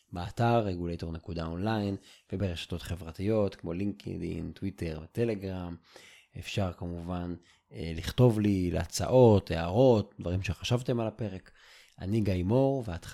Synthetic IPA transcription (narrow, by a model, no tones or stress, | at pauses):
beataʁːeɡulejto̞ʁnekudao̞nlajnvebeʁeʃḁto̞tχe̞vʁatijo̞tkmo̞liŋkḛd̪ḭntwite̞ʁvete̞le̞ɡʁam | efʃaʁkamuvan | eliχto̞vlileat͡sa̰ʔo̞teaʁo̞t̚dvaʁimʃeχaʃavte̞malape̞ʁe̞k | ʔa̰niɡajmo̞ʁveat